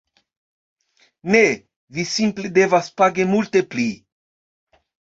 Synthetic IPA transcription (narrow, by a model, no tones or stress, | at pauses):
ne | visimpled̪evaspaɡemult̪epli